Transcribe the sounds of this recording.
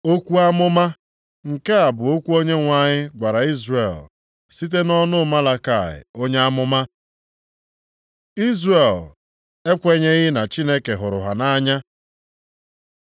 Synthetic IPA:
o˦kʷu˦a˦mʊ˦ma˦ | ŋ̩˨ke˦a˨bʊ˨o˦kʷu˦o˦ɲe˦ŋʷa˦ɲɪ˦ɡʷa˨ɾa˨i˦zrḛ˨l | si˦t̬e˦nɔ˦nʊ˦ma˦la˦ka˦˨ɪ̰˨o˦ɲe˦a˦mʊ˦ma˦ | i˦zre˨l | e˦kʷe˦ɲe˦ɣɪ˦na˨t͡ʃi˦ne˦ke˨ɦʊ˨ɾʊ̰˨ɦa˨na˦ɲa˦

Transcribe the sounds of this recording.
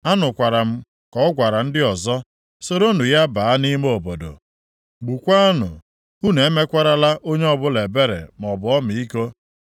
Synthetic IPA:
a˦nʊ˨kʷa˨ɾa˨m̩˦ | kɔ˦ɔ˦ɡʷa˨ɾa˨n̩˦dɪ˦ɔ˨zɔ˦ | so˦ɾo˦nu˨ja˦ba˨a˦ni˦m˦o˨bo˨do̰˨ | ɡ͡bu˨kʷa˦a˦nʊ̰˨ | u˦ne˨e˦me˦kʷa˦ɾa˦la˦ʔo˦ɲe˦ɔ˦bʊ˦le˨be˦ɾḛ˨m˨ɔ˨bʊ˨˦ɔ˦mi˨i˦ko˦

